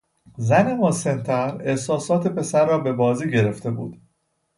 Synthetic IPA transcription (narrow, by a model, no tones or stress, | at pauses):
zænemosent̪ʰæɾehsɒːsɒːt̪ʰe̞pe̞sæɾːɒːbe̞bɒːziːɟe̞ɾe̞ft̪e̞bṵːd̪̥